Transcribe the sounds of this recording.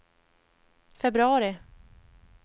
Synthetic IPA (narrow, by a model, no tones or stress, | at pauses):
fɛbɾɵɑːɾɪ